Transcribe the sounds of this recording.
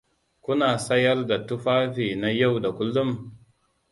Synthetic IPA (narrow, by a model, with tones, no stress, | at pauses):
kʷʊ˦naː˨sɐ˦jɐ˦rda˨tʊ˦ɸaː˦ɸiː˨na˦ja˦˨wda˨kʷʊ˦lːʊ˦m